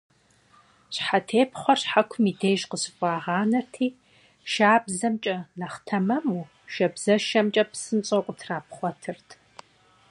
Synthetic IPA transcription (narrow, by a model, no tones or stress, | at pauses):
ɕħatʰeːpχʷɔrħakʷʰʊmiːdeːjʒqəsɨkʷʼɑːʁɑːnɐrtʰiː | ʃaːbzɐmt͡ʃʼɐnɐχtʰɐmɐmuː | ʃɐbz̥ɐʃɐmt͡ʃʼɐpsɨnɕʼɐqʷʼʊtʰraːpʰχʷɔtʰɨrtʰ